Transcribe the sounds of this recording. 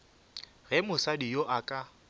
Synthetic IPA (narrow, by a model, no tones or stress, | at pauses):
ɣɛmʊsadijoʔakʼa